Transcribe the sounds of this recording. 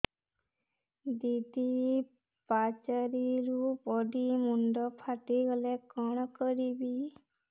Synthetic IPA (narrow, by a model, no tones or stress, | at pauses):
d̪id̪i | pat͡ʃaɾiɾupɔɖimuɳɖɔpʰaʈiɡɔlekɔɳ̃kɔɾibi